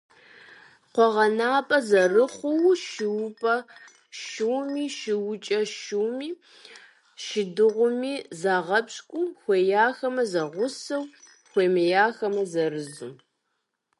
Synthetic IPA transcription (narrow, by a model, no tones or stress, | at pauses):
qʷɔʁɐnaːpʼɐzɐrɨχʷʊwʃɪwpʼɐ | ʃɨwmiːʃɪwʊt͡ʃʼɐʃuwmiː | ʃɪdɨʁʷʊmiːzaːʁɐpɕʼkʷʼʊxʷeːjaːxɐmɐzɐʁʷʊsɐw | xʷeːmɨjaːxɐmɐzɐrɨzu